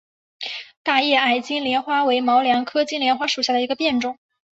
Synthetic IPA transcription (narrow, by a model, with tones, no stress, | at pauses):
t̪a˥˧jɛ˥˩a˨˩ɪt͡ɕi˥nljɛ˧˥nxwa˥we˧˥ɪmɑ˧˥ʊljɑ˧˥ŋkʰɤ˥t͡ɕi˥nljɛ˧˥nxwa˥ʂu˨˩ɕja˥˩d̪ə˩i˧˥ɡə˧pjɛ˥˧nʈ͡ʂʊ˥˩ŋ